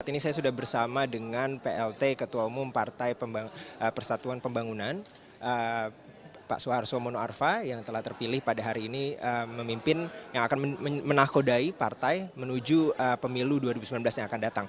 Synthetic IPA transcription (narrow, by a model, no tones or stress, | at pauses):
at̪inisajasudahbərsamadəŋanpeʔɛlt̪ekət̪uaumʊmpart̪ajpəmbaəpərsat̪uanpəmbaŋunan | ʔə | pa̰ʔsoarsomonoarfajaŋt̪əlaht̪ərpilɪhpadaɦaɾiːniəməmimpɪnjaŋakanəmənakodaipart̪ajmənud͡ʒuəpəmiluduaɾibusəmilanblasjaŋakandat̪aŋ